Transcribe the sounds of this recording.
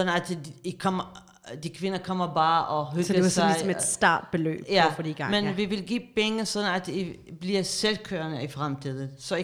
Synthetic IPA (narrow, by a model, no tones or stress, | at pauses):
ɒ̥̽n̩æd̥ikʰɒm̰ɐ | d̥ikʰʋe̝nɐkʰɒ̽m̰ɐbɑ̈ːʔɒɦøɡdɐesɑ̈lɪisme̥sd̥ɑ̰̈ːd̥̚b̥e̝lø̰ːb̥jæfɒd̥iɡ̥ɑmenʋiʋe̝lɡ̥ḭːb̥eŋəsɒ̽d̥n̩æd̥i | b̥liɐselkʰø̰ːɐnəifʁamt͡sʰið̞̰ˠəsɒ̽